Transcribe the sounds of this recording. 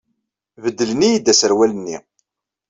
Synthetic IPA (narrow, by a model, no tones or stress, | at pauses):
vəd̪ːələnijid̪ːæsəɾwælənːḭ